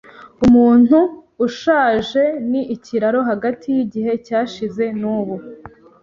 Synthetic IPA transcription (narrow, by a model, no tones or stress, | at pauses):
umuːn̥huːʃaːʒe̞niʔːciɾaɾo̞ɦaɡatʰijiɟiɦe̞caːʃize̞nuːβu